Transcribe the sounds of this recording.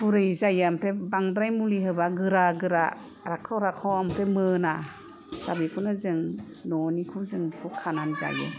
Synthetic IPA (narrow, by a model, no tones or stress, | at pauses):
buɾɯjzajɯampʰebaŋd̪ɾajmuliɦɯbaɡɯɾaɡɯɾa | ɾakʰawɾakʰawampʰemɯna | ɡ̥abikʰunazɯŋ | nɔnikʰuzɯŋkʰukʰananza̰jɯ̰